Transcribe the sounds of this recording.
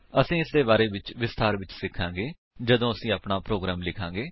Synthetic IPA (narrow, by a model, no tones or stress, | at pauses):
əsĩːɪsd̪eːbaːɾeːʋɪt͡ʃʋɪst̪aːɾʋɪt͡ʃsɪkʰːãːɡeː | d͡ʒəd̪õːəsĩːaːpɳaːpɾoːɡɾaːmlɪkʰãːɡeː